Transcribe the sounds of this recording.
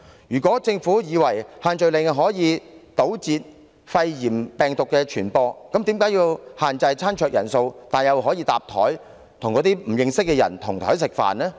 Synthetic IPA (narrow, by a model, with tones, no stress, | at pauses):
jyː˨˩kʷɔː˨˥t͡sɪ˧ŋfuː˨˥jiː˨˧wɐ˨˩jhaː˨˧nt͡ʃɵ˨ɥlɪ˨ŋɦɔː˨˥jiː˨˧t̪o˨˥wt͡siː˧t̚ | fɐ˧jjiː˨˩mpɛː˨ŋt̪ʊ˨kːɛː˧t͡ʃʰyː˨˩npɔː˧kɐ˨˥mt̪iː˨˥mkaː˨˥jiː˧whaː˨nt͡sɐ˧jt͡sʰaː˥nt͡ʃʰœː˧k̚jɐ̰˨˩nso˧wt̪aː˨njɐ˨˧wɦɔː˨˥jiː˧t̪aː˨p̚t̪ʰɔ̰ː˨˥j | t̪ʰʊ˨˩ŋkɔː˨˥t̪iː˥m̩˨˩jɪ˧ŋsɪ˥k̚ːɛː˧jɐ̰˨˩nt̪ʰʊ˨˩ŋt̪ʰɔː˨˥jsɪ˨k̚fa̰ː˨nlɛː˥